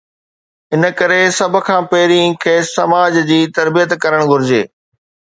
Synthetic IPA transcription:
ɪnə̆kɐɾesɐbʱʊ̆kʰãːpɐɦɪɾĩkʰeːsɐmaːd͡ʑd͡ʑiːt̪ɐɾbijət̪kɐɾəɽ̃ɡʱʊɾɪd͡ʑḛː

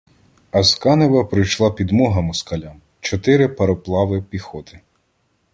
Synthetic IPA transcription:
ɐskɑnɪʋɐpɾɪjʃlˠɑpʲid̪mɔɦɐmʊskɐlʲam | t͡ʃɔt̪ɪɾɪpɐɾɔplˠɑʋɪpʲixɔt̪ɪ

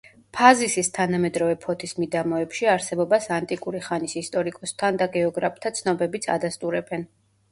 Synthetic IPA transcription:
pʰazisist̪ʰanamɛd̪ɾɔvɛpʰɔt̪ʰismid̪amɔɛpʃiaɾsɛbɔbasant̪ʼikʼuɾiχanisist̪ʼɔɾikʼɔst̪ʰand̪aɡɛɔɡɾapʰt̪ʰat̪sʰnɔbɛbit̪sʰa̰d̪ast̪ʼuɾɛbɛn

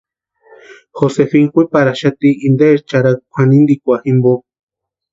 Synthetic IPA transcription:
xosefiŋkʷipaɾaʃat̪iːnd̪eɾt͡ʃaɾakʷʰanĩnd̪ikʷaximbo

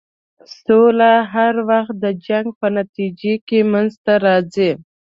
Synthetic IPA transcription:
solaɦaɾwaxt̪̚d̪əd͡ʒaŋɡ̚pənat̪id͡ʒekemanzt̪aɾɑzi

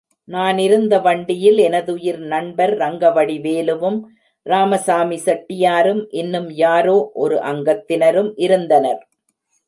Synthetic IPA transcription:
naːnɪɾɯnd̪ɐʋɐɳɖɪjɪlɛnɐðɯjɪɾnɐɳbɐɾːɐŋɡɐʋɐɽiʋeːlɯʋɯm | ɾaːmɐsaːmisɐʈːɪjaːɾɯmʔɪnːɯmjaːɾoːʔɔɾɯʔɐŋɡɐt̪ːɪnɐɾɯmʔɪɾɯnd̪ɐnɐɾ

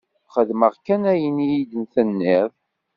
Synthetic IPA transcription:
χəðməʁkænæjənijid̪ənθənːið

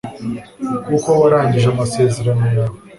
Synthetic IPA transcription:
kuko̞waɾaːɲɟiʒeamase̞ːze̞ɾanojaːβo

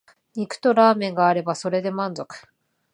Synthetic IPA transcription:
ɲ̟ikɯ̟̥t̪o̞ɾaːmẽ̞ŋɡaːɾe̞baso̞ɾe̞d̪e̞mãnzo̞kɯ̥

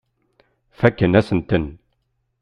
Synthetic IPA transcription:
fækːənæsənt̪ən

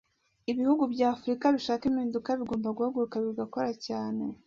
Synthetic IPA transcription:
iβihuɡubɟaːfuɾikaβiʃaːkimiːndukaβiɡoːmbaɡuhaɡuɾukaβiɡako̞ɾacaːne̞

